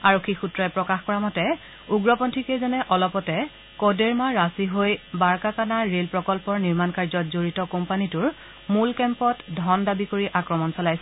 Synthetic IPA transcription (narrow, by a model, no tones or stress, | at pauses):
aɹokʰːixutɹɔɛpɹɔkaxkɔɹamɔtɛ | uɡɹɔpɔntʰikejzɔnɛʔɔlɔpɔtɛ | kɔdeɹmaɹasiɦojbaɹkakanaɹelpɹɔkɔlpɔɹniɹmankaɹzɔtzoɹitɔkɔmpanitʊɹ | mulkɛmpɔtdʱɔndabikoɹiʔakɹɔmɔnsɔlajsɛ